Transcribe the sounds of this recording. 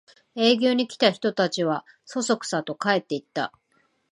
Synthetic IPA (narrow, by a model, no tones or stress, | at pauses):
e̞ːɡʲo̞ːɲ̟ikʲi̥t̪açi̥t̪o̞t̪at͡ɕiβ̞a | so̞so̞kɯ̟̥sat̪o̞kae̞t̪ːe̞it̪ːa̰